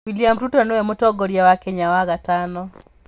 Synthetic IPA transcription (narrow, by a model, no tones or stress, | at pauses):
wiliamɾutɔnoemotɔɡɔɾjawakɛɲawaɣatanɔ